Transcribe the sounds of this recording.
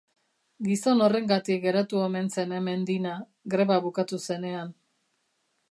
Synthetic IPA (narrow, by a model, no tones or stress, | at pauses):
ɡiso̞no̞re̞ŋɡat̪ik̚ɡe̞ɾat̪uo̞me̞nse̞ne̞me̞nd̪ina | ɡɾe̞βaβukat̪use̞ne̞an